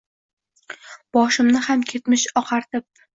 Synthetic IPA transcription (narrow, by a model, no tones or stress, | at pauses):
b̥ɒʃɪmnɪhamkʲʰe̞t̪mɪʃɒqʰɑɾt̪ʰɪp̚